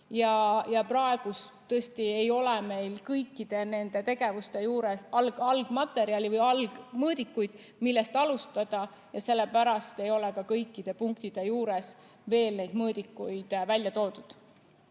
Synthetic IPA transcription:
jɑjɑprɑe̞ɡ̥ust̪ɤesʲt̪ie̞jo̞leme̞jlkɤjkːˑid̪̥e̞ne̞nd̪e̞t̪e̞ɡe̞vust̪e̞juːɾesɑlɡ̥ɑlɡ̥mɑt̪ːˑe̞ɾiɑlʲivɯjɑlɡ̥mɤːd̪ikːujd̪̥ | milːe̞st̪ɑlust̪ɑd̪̥ɑ | jɑse̞lːe̞pæɾɑst̪e̞jo̞lekɑkɤjkːˑid̪̥e̞puŋkt̪id̪̥e̞juːɾes | ve̞ːlne̞jd̪mɤːd̪ikːujd̪̥vælʲjɑt̪o̞ːd̪ud̪̥

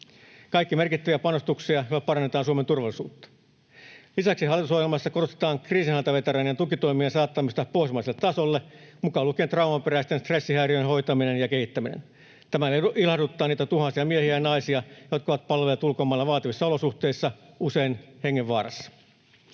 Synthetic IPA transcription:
kɑikːimerkit̪ːæʋiæpɑnost̪uksiɑjolːɑpɑrɑnːet̪ɑːnsuoment̪urʋɑlːˑisuːt̪ːɑ̥ | lisæksiɑlːit̪uso̞hjelmɑsːɑko̞rost̪et̪ɑːŋkriːsinhɑlt̪ɑʋe̞t̪eɾænjɑnt̪ukit̪oimiensɑːt̪ːɑmist̪ɑpoismɑiselːet̪ːɑsolːemukɑlukeːnt̪rɑwmɑmpeɾæist̪enst̪re̞sːihæːriøjenɦo̞jt̪ɑminenjɑke̞hit̪ːæminḛn | t̪æmæilhɑrdut̪ːɑːniːt̪æt̪uhɑsiɑmiehiæjɑnɑisiɑjokɑoʋɑt̪pɑlʋelːɑt̪ulkomɑːlːɑʋɑːt̪iʋisːɑo̞lo̞suht̪e̞isːɑuse̞inhe̞ŋːeʋʋɑːrɑ̰sːɑ̥

